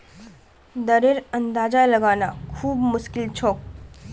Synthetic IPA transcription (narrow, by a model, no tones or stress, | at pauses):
d̪əɾeɾənd̪aːd͡ʒaləɡaːnakʰuːbmʊʃkɪlt͡ʃʰɔːk̚